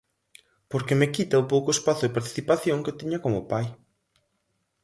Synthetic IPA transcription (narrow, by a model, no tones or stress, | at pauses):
poɾkemekit̪aupowkoespaθʊepaɾt̪i̥θipaθjoŋket̪iɲɐkomʊpaj